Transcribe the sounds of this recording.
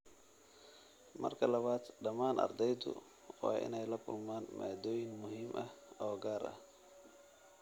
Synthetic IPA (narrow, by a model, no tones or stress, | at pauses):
mɐ̰rkʰɐlɐβaːd̪ɖɐmaːnʔɐ̰rd̪ɛjd̪ʊ̰ | waːʔɪ̰nɛjlɐkʰʊ̰lmaːnmaːd̪ɔːjɪŋmʊɦiːmʔɐhɔːɡaːɾɐ̰h